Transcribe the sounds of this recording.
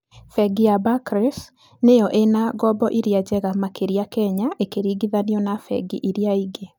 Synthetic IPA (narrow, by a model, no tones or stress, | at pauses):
fɛɡijabakɾɛs | nejɔʔenaɡɔbɔʔiɾjad͡ʑɛɣamakeɾiakɛɲaʔekeɾiɡiðaniɔnafɛ̰ɡḭʔiɾijaiɡe